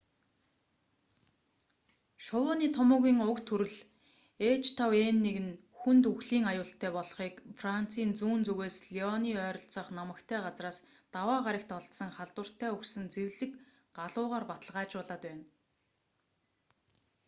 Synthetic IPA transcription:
ʃɔwʊːniːt̪ʰɔmʊːɣiːŋʊkt̪ʰuɾɘ̆ɮ | eːt͡ɕt̪ʰawenːeɣɘ̆n | xunt̪uxɮiːŋajʊːɬt̪ʰæːpɔɮχiːkfran̥t͡sʰiːnt͡suːnt͡suɣeːsɮiɔniːœːɾɞ̆ɬt͡sə̆χnɔmə̆kt̪ʰæːɢat͡sraːs | t̪awaːʁaɾʲə̆kt̪ɔɮt̪sɞ̆ŋχaɮt̪wə̆r̥t̪ʰæːɵksɘ̆nt͡seɣɮɘ̆k | ɢaɮʊːʁaːrpat̪ə̆ɮʁaːt͡ɕpɔɮaːt̪pæːn

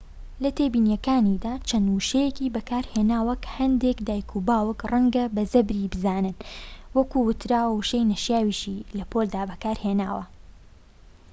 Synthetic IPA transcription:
lɐt̪ʰebiːnjɐkaːnid̪aːt͡ʃʰɐnuʃejekiːbɐkʰaːɾheːnaːwɐkʰɐ̥hɐnd̪eːkd̪aːjkʰubaːwɨkrɐŋɡɐbɐzɐbɾibɨzaːnɨnwɐkuwʊt̪ɾaːwwʃejnɐʃjaːwiːʃilɐpʰoːld̪aːbɐkaːɾheːna̰ːwɐ̰

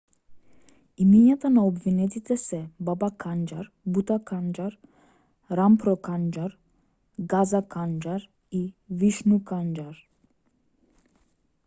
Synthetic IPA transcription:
imɛɲat̪anaɔbvinɛt̪it̪ɛsɛbabakʰand͡ʒaɾ | but̪akʰand͡ʒaɾ | ɾampɾɔkand͡ʒaɾ | ɡazakʰand͡ʒaɾ | iviʃnukand͡ʒaɾ

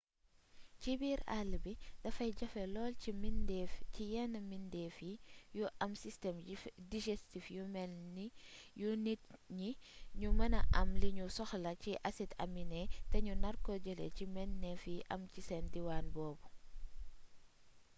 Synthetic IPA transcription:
cibiːɾalːbidɐfɐjɟɐfɛlɔːliindfcijɛnɐmindɛːfijuʔɐmsistɛmdid͡ʒɛstifjumɛlnijunitɲiɲumɐnɐʔɐmliɲusɔxlɐciʔɐsitɐ̰minɛtɛɲunɐrkɔɟəlɛ̰cimɛnːɛfiʔɐ̰mcisɛndiwaːnbɔːbu

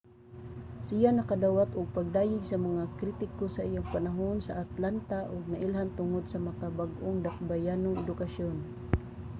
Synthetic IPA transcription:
sɪjanɐkad̪awat̪ʊɡ̚paɡ̚d̪aːjɪɡsamaŋakɾit̪ɪkosaʔijoŋpanaɦonsaʔat̪lant̪aʔʊɡ̚naʔɪlɦant̪ʊŋod̪̚samakabaɡʔʊŋd̪ak̚bajanʊŋɛd̪ʊkaʃon

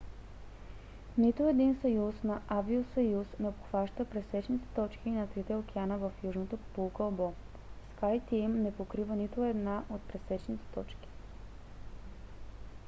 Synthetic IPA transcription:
nit̪oɛd̪insɐjusnɐʔaviosɐjusnɛpoxvaʃt̪əpɾɛsɛt͡ʃnit̪ɛ̥t̪ɔt͡ʃk̟inɐt̪ɾit̪ɛok̟ɛanəvəfjuʒnot̪opo̥pulˠkəlˠbɔ | skajt̪imnɛpokɾivənit̪oɛd̪naʔot̪̚pɾɛsɛt͡ʃnit̪ɛ̥t̪ɔt͡ʃki̥

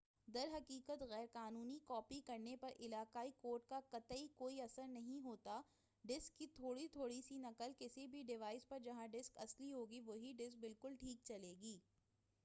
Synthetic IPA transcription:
d̪ɐɾɦɐkiːkət̪ɣɛːɾqaːnuːnikɔːpikɐɾnepɐɾʔɪlaːqaːikoːɾʈ̚kakɐt̪əikoːiɐsəɾnɐɦĩɦoːt̪a | ɖɪskːit̪ʰoːɽit̪ʰoːɽisinɐqəlkɪsibʱiɖɪʋaːɪspɐɾd͡ʒɐɦãɖɪskɐsliɦoːɡiʋoːɦiɖɪsk̚bɪlkʊlʈʰiːk̚t͡ʃɐleːɡiː

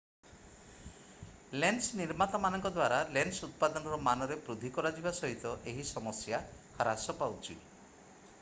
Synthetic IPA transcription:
lensniɾmat̪ɔmanɔŋkɔd̪waɾalensut̪̚pad̪ɔnɔɾɔmanɔɾepɾud̪ʱikɔɾad͡ʒibasɔɦit̪ɔʔeɦisɔmɔsjakʰaɾasɔpawt͡ʃʰi

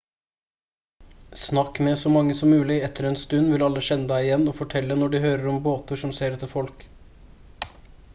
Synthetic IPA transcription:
snɑkːmɛsɔmɑŋːəsɔmːʉːlɪɛt̪ʰːəɾɛːnst̪ʉnːʋɪlɑlːəʃɛnːəd̪æɪɪjɛnːɔːfɔʈʰɛlːənɔɖɪhøːɾəɾɔmboːt̪əʂɔmseːɾɛt̪ːəfɔlk

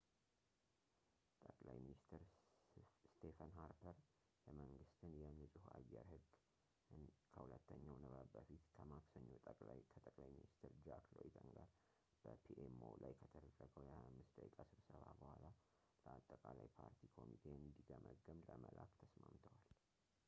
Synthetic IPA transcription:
t̪ʼəkʼlajminist̪ʰɨɾ | st̪ʰefənɦaɾpʰəɾ | jɛməŋɡɨst̪ʰɨnjɛnːɨsʼuha̰jːɛɾhɨɡː | kʰəhulət̪ːəɲːawnəβəbbəfit̪kʰəmaksəɲːot̪ʼəkʼlakʰət̪ʼəkʼlajminist̪ʰɾd͡ʒaklojit̪ʰʼəŋɡaɾ | b̥əpʰiʔemo̰lajkʰət̪ʰəɾərːəkʼəwjɛaamːɨsd̪əkikʼasɨβsəβabəhʷala | ləat̪ʼːəkʼalajpʰaɾt̪ʰikʰo̞mit̪ʰe̞ɨnd̪iɡəməɡːəmləməlʔa̰kt̪ʰəsmamt̪ʰəwal

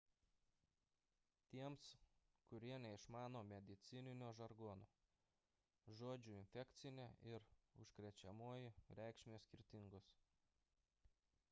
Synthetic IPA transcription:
t̪ʲiɛmskʊɾʲiɛnʲɛɪʃmɑːnoːmʲɛd̪ʲɪt̪sʲɪnʲɪnʲoːʒɐɾɡoːnoː | ʒoːd͡ʒʲuːɪnʲfʲɛkt̪sʲɪnʲeʔɪɾʊ̰ʃkɾʲɛt͡ʃʲɛmoɔjɪɾʲɛˑɪkʃʲmʲeːsʲkʲɪɾʲt̪ʲɪŋɡoːs

